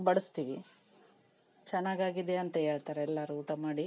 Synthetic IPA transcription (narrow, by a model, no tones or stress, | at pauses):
bɐɽɐst̪iʋi | t͡ʃɛnːaːɡaːɡid̪eɐnt̪ɐɦeːɭt̪aːɾeɛlːɐɾuuːʈɐmaːɽi